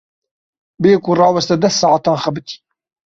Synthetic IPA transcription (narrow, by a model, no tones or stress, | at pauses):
beekurɑːwɛst̪ɛd̪ɛst̪sːɑːʕɑt̪ɑːnxɐbɨt̪ʰi̥